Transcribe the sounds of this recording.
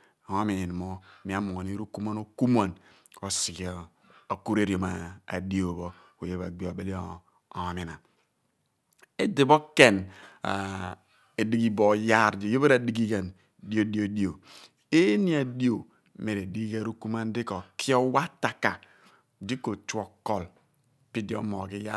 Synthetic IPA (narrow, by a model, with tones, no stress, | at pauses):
o˦mi˨i˨n˨mo˦˨mi˨a˨mu˨ŋo˨ni˦ɾo˦ku˦ma˦no˦ku˦ma˨n | o˨si˨ɡ | o˨ku˦ɾe˦ɾi˨o˨ma˨a̰˨di˦o˨bo˦ | o˨je˦ba̰˨ɡ͡bi˦o˨be˦li˦˨ | mi˨na˨ | e˦di˨bo˦ke˨na̰˨ | e˨di˦ɡi˦bo˨ja˦ɾd͡ʒi˨jo˦be˦ɾa˨di˦ɡi˦ɡa˨n | di˦o˦di˦o˨di˦o˨ | e˦ni˦a˨di˦o˨ | me˨ɾe˨di˦ɡa˦ɾo˦ku˦m˦a˦n˦di˦kɔ˨ki˦ɔ˦wa˦ta˨ka˨ | di˦ko˨t͡ʃu˦ɔ˨kːɔ˨l | pi˦di˦o˦mɔ˨ɡi˦ja˦